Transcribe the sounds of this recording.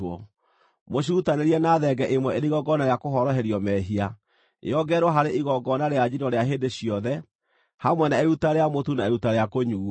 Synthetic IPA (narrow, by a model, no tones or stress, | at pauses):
ɔ̰ | moɕ̬uːtaneɾiɛnaðɛɡɛʔemwɛeɾiɣɔɡɔnaeakoɦɔɾɔɦɛɾjɔmɛɦia̰ | ɔɡɛɾwɔɦaɾeʔiɣɔɡɔnaɾead͡ʑinɔɾeaɦedeɕiɔðɛ | hamwɛnaeutaɾeamotunaeutaɾeakoɲuː